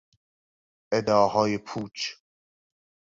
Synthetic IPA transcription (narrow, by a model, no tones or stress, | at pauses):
ʔed̪ɒːɦɒːjepʰuːt͡ʃʰ